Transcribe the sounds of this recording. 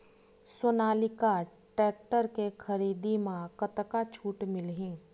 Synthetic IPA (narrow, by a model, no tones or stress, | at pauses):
sʊnaːlɪkaʈɛːk̚ʈəɾkexʰəɾiːd̪imãkət̪kat͡ʃʰuːʈmɪlɦĩː